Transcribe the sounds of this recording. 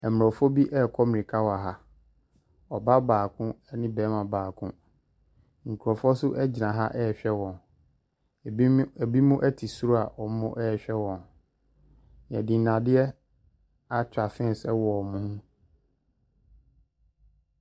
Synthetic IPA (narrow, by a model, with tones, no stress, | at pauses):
ɛ˨m˨ɾɔ˨fɔ˦bi˦ʔɛ˦˨kʰɔ˦mɪ̃˨i˨kʰa˦wa˨ɦa˦ | ɔ˨ba˦baː˨kʰʊ̃˦ɛ˦nɪ̃˦bɛː˨˦mã˨baː˨kʰʊ̃˦ | ŋ̩˨kʰu˨ɾɔ˨fɔ˦sʊ˦ʔɛ˦d͡ʑi˨nã˨ɦa̰˦ʔɛ˦˨ɕᶣɛ˦wɔ̃˨n˨˦ | ɛ˨bi˦mʊ̃˦ʔɛ˦tʰi˨su˦ɾo˦a˨ɔ˨˦mʊ̃˦ʔɛː˦˨ɕᶣɛ˦wɔ̃˨n | n˨ɛ̰̃˨dĩ˨n˨nã˨dɪ˦ɛ˦ | a˦t͡ɕᶣa˨fɪ̃˦˨sɛ˦wɔ˨ɔ˨mũ˦hũ˦